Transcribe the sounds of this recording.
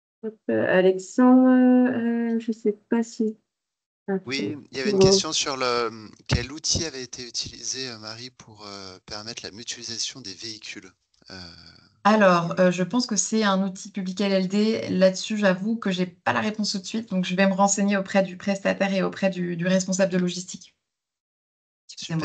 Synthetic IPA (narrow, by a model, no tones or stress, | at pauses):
pø̰a̰lɛksɑ̃d̪ə | ʒəsɛpasi | awiiljavenkɛst̪jɔ̃syʁləkʲɛlut̪ʰiavɛet̪ʰeyt̪ʰilḭzeømaʁipʰuʁøpɛʁmɛt̪χla̰myt̪ɥalizasjɔ̃d̪eveikʲʰyl | ø̰ | alɔːʁøʒəpɑ̃skəsɛɛ̃nut̪ʰipyblikɛlɛld̪elad̪əsyʒavukəʒepalaʁepɔ̃st̪ut̪sɥit̪̚d̪ɔ̃kʒəvɛməʁɑ̃seɲeopχɛd̪ypχɛst̪at̪ɛʁeopχɛd̪yd̪yʁɛs̬pɔ̃s̬abləd̪əlɔʒist̪ikʲ